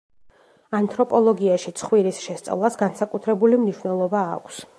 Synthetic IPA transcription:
ant̪ʰʼɾɔpʼɔlˠɔɡiaʃit̪sʰχwiɾisʃɛst̪sʼa̰vlˠasɡansakʼut̪ʰɾɛbulimniʃwnɛlˠɔba̰ːkʷʰs

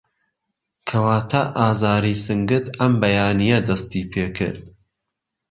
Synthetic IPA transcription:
kʰɐwaːt̪ʰaʔaːzaːɾisɨŋɡɨt̪ɐmbɐjaːnijɐd̪ɐst̪iːpʰeːkʰɨ̰ɾd̪

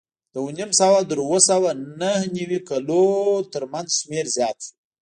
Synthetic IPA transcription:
d̪̥əunimsawad̪əɾwosawanahniwikalot̪əɾmanzʃmeɾzjɑt̪

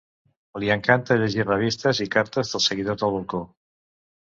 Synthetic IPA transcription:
oliaŋkant̪əʎeʒirəβ̞ist̪əzikaɾt̪əzðəlˠsəɣ̞iðoɾðəlˠβolˠko

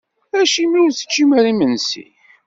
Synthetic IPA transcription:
æʃimiʊɾθə̥t͡ʃːimæɾimənsḭ

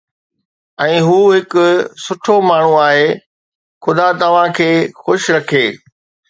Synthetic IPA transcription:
ɛ̃ːɦuːɦɪkʊ̆sʊʈʰomaːɳ̤uaːɦeː | xʊd̪at̪ɐʋ̤ãkʰeːxʊʃɾɐkʰeː

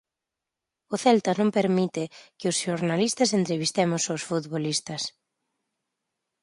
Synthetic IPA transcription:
ʊθɛlt̪ɐnõmpeɾmit̪ɪkɪʊsʃoɾnalist̪ɐsent̪ɾeβist̪ɛmʊsawsfut̪βolist̪ɐs

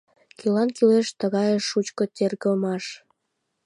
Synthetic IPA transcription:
kylɑnkyleʃt̪əɣɑjeʃut͡ɕkot̪ʲerɣəlmɑʃ

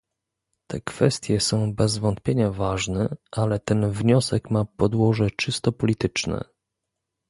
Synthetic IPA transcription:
t̪ʰɛ̰kfɛst̪ʲjɛsɔ̃w̃bɛzvɔnt̪̚pʲjeɲavaʐnɛʔalɛt̪ɛnvɲɔsɛkmapɔd̪wɔʐɛt͡ʂɘst̪ɔpɔlʲit̪ɘt͡ʂnɛ̰

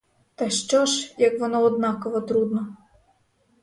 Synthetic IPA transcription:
t̪ɐʃt͡ʃɔʒjɐkʋɔnɔɔd̪nɑkɔʋɔt̪ɾud̪nɔ

